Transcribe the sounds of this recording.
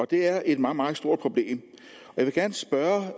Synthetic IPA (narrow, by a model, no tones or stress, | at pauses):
ɒ̽d̥e̝æɐe̝d̥mɑːmɑ̈ːð̩sd̥o̝ɐ̰̥pʰʁob̥le̝̰ːm | ɒjaʋe̝ɡ̥æɐnəsb̥ɶɐ